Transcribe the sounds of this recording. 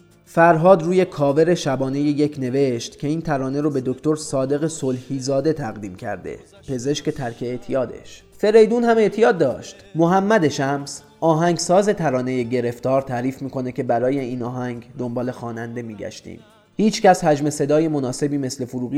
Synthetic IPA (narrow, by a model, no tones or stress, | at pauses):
fæɾɦɒːd̪ɾuːje̞kʰɒːve̞ɾe̞ʃæbɒːne̞jeje̞cʰne̞ve̞ʃt̪cʰe̞iːnt̪ʰæɾɒːne̞ɾobe̞d̪okt̪o̞ɾsɒːd̪e̞ɣe̞solhiːzɒːd̪e̞t̪ʰæɣd̪iːmcʰæ̰ɾd̪e̞̰ | pʰe̞ze̞ʃce̞t̪ʰæɾkʰeːt̪ʰijɒːd̪e̞̰ʃ | fe̞ɾe̞jd̪uːnhæme̞ʔt̪ʰijɒːd̪̚ːɒːʃt̪moɦæmːæd̪e̞ʃæms | ʔɒːɦæŋɡsɒːze̞t̪ʰæɾɒːne̞je̞ɟe̞ɾe̞ft̪ɒːɾt̪ʰæːɾiːfmiːkʰo̞ne̞cʰe̞bæɾɒːje̞iːnɒːɦæŋɡd̪o̞mbɒːle̞xɒːnænd̪e̞miːɟæ̰ʃt̪ḭːm | hiːt͡ʃʰcæshæd͡ʒme̞se̞d̪ɒːje̞mo̞nɒːse̞biːme̞sle̞foɾuːɣi